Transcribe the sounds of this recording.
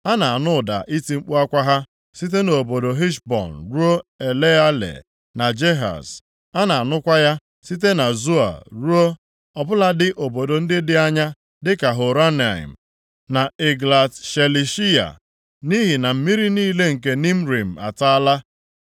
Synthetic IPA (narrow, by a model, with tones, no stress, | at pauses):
a˦na˨a˨nʊ˦˨da̰˨ʔi˦ti˦ŋ͡m̩˦k͡pu˦a˦kʷa˦ɦa˦ | si˦t̬e˦no˨o˨bo˨do˨ɦi˦ʃbɔ̰˨n˨ɾu˦o˦e˨le˦a˦lḛ˨ | na˨d͡ʒe˦ɦa̰˨s | a˦na˨a˨nʊ˦kʷa˦ja˦ | si˦t̬e˦na˨zu˦a̰˨ɾu˦o˦ | ɔ˨bʊ˦la˦dɪ˦ʔo˨bo˨do˨n̩˦dɪ˦dɪ˦a˦ɲa˦ | dɪ˦ka˨ɦo˨ɾa˦na˨ḭ˨m̩˨ | na˨ɪ˨ɡla˨tʃe˨li˨ʃi˦a̰˨ | ni˦ɦi˨na˨m̩˦mi˦ɾi˦niː˦le˦ŋ̩˨ke˨ni˦m̩˦ɾi˨m̩˨a̰˨ta˦la˦